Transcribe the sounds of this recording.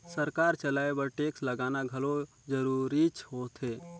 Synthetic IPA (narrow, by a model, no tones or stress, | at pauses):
səɾkaːɾt͡ʃəlaːebəɾʈeːksləɡaːnaɡʱɐlo | d͡ʒəɾuɾit͡ʃʰɦoːt̪ʰɦeː